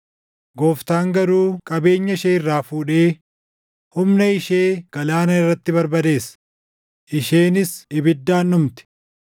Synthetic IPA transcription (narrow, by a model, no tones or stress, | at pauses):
ɡoːft̪aːŋɡɐɾuːkʼɐbe̞ːɲːɐʃeːɪrːaːfuːᶑe̞ː | hʊmnɐɪʃe̞ːɡ̥ɐlaːnɐɪrːɐt̪ːɪbɐɾbɐd̪e̞ːs | ʔɪʃe̞ːnɪsɪbɪd̪ːaːnːʊmt̪ɪ̥